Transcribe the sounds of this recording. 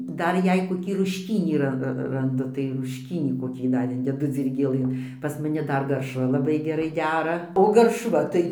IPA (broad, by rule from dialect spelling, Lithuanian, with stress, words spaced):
ˈdɐr ˈjɛɪɡʊ koːˈkʲiː rʊʃʲˈkʲiːnʲiː ˈrɐ rɐnˈdʊ tɐɪ rʊʃʲˈkʲiːnʲiː koːˈkʲiː dɐr ˈɪnʲdʲɛdʊ d͡zʲiːrʲɡʲeːˈlˠɘn pɐs mɐˈnʲɪ ˈdɐr ɡɐrʃˈʋɐ lˠɐˈbɐɪ ɡʲɛˈrɐɪ ˈdʲæːrɐ oː ˈɡɐrʃʋɐ tɐɪ